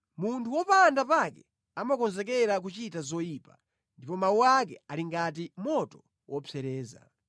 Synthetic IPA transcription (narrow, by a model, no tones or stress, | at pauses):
muntʰuwɔpandapakɛ | amakɔnzɛkɛɾak̬ut͡ʃitazɔiːpa | ndipɔmauwak̬ɛaliŋɡat̬imɔtɔ̥ | wʔɔpʰɛɾɛːza̰